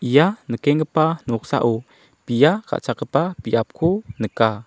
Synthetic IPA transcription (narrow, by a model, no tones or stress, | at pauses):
ʔijanəkɛŋɡəpanuuksa̰ʔu | pijaka̰ʔt͡sakəpapiʔap̚kʰunəka